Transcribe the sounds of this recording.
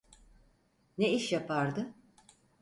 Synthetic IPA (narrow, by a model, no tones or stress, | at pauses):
neiʃjapʰaɾd̪ɯ